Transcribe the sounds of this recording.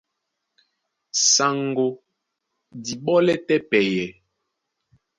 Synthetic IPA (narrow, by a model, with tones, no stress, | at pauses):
sa˨ŋɡo˨ | di˨ɓɔ˦lɛ˦tɛ˦pɛ˨jɛ˨